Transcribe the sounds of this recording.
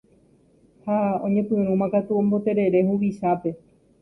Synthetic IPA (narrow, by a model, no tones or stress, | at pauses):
haõɲẽ̞pɨ̃ɾ̃ũmãkat̪uõmbo̞t̪e̞ɾe̞ɾe̞ɦuʋiʃape̞